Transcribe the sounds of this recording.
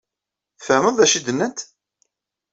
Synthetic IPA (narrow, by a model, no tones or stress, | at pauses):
fəməðˤðæʃid̪ənːənt̪